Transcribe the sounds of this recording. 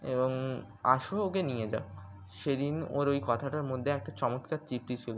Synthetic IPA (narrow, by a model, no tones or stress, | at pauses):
eboŋ | a̰ʃookenijed͡ʑa̰o | ʃed̪ino̰ɾojkɔt̪ʰaʈaɾmod̪ʱːeɛk̚ʈat͡ɕɔmot̪kat̪t͡ɕip̚ʈit͡ɕʰil